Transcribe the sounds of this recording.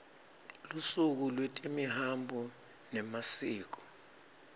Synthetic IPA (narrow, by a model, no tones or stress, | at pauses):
lusuk̬ulwɛtʼimihambʱɔ | nɛmasiːk̬ɔ̥